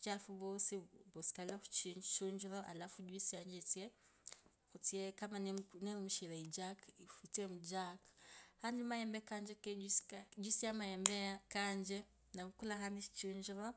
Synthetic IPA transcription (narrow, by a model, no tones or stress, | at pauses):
t͡ʃafuβosibosi̥kalaku̥t͡ʃt͡ʃuɲd͡ʒiɾoʔa̰lafuɟwisijaɲd͡ʒit͡sie | xut͡siekamaneneɾimuʃiɾaid͡ʒakifitiwemud͡ʒakḁhandimajembekaːɲd͡ʒekeid͡ʒwisiamajembekaːɲd͡ʒe | naβukulakandit͡ʃi̥t͡ʃuɲd͡ʒiɾo